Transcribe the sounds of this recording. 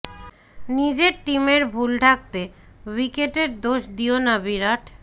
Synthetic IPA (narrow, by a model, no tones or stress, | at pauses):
nid͡ʑeɾʈimeɾbʱulʈak̚t̪ewikeʈeɾd̪oʃd̪ionabiɾaʈʰ